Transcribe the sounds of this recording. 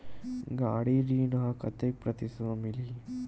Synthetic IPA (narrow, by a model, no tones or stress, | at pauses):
ɡaːɽiɾiːnɐɦɐkɐt̪ːek̚pɾɐt̪isɐmili